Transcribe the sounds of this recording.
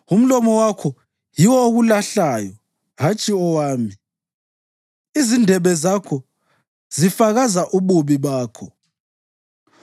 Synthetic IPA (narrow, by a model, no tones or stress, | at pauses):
um̩lɔmɔwakʰɔ | jiwɔoɣulaɬajɔ | ɣat͡ʃʼiɔwaːmi | izindʱɛβɛzakʰɔ | z̥ifaɣazaʔuβuβiβaːkʰɔ